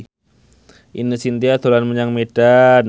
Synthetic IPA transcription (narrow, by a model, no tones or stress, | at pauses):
ʔḭnəsint̪iat̪olanməɲaŋmed̥an